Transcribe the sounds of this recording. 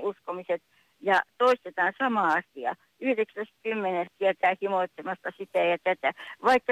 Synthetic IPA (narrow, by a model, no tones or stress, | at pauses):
uskomiset̪ | jɑt̪oist̪et̪ɑːnsɑmɑˑɑsiɑ̰ | yhreksæst̪kymːenensiæt̪æˑhimoˑit̪semɑst̪ɑsit̪æˑjɑt̪æt̪æʋɑikːɑ